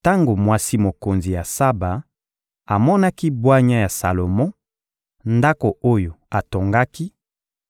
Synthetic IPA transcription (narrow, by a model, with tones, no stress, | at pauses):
ta˦ŋɡo˨mwa˦si˦mo˨ko˨nzi˨ja˨sa˦ba˨ | a˨mɔ˦na˦ki˦bwa˦ɲa˦ja˨sa˨lo˨mɔ̃˦ | nda˦ko˨o˦jo˨a˨to˨ŋɡa˦ki˦